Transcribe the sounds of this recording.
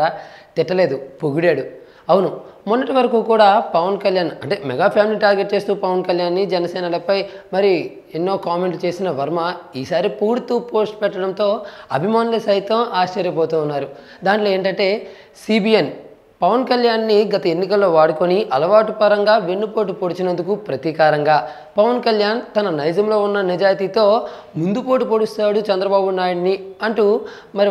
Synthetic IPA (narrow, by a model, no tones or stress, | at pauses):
aːt̪iʈːɐle̞ːd̪upoɡuɽeːɽu | ɐwunumunːɐʈiʋɐɾɐkuːkuːɽaːpɐʋɐnkɐljaːnɐ̰ɳʈe̞ːmɛɡaːpʰaːmiliːʈaːɾɡe̞ʈ̚t͡ʃe̞ːst̪uːpɐʋɐnkɐljaːnːid͡ʒɛnɐsɛːnɐlɐpɐjmɐɾi | enːo̞ːkaːme̞ɳʈut͡ʃe̞ːsinɐʋɐɾmɐiːsaːɾipuːɾt̪uːpo̞ːsʈpɛʈːɐɽɐnt̪o̞ːɐbʱimaːnulɐsɐjt̪ɐmaːʃt͡ʃɐɾjɐboːt̪uːnːaːɾu | d̪aːɳʈlo̞ːeːɳʈɐɳʈe̞ː | siːbijen | pɐʋɐnkɐljaːnːiɡɐt̪ɐe̞nːikɐlːo̞ːʋaːɽuko̞niʔɐlɐʋaːʈupɐɾɐŋɡaːʋe̞nːupo̞ːʈ̬upoɽut͡ʃinɐnd̪ukupɾɐt̪ikaːɾɐŋɡaː | pɐʋɐnkɐljaːnt̪ɐnɐnɐjd͡ʒ̪ɐmlo̞ːunːɐnɛd͡ʒaːjt̪it̪o̞ː | mund̪upo̞ːʈ̬up̬oɽust̪aːɽut͡ʃɐnd̪ɾɐbaːbunaːjuniɐɳʈu | mɐɾi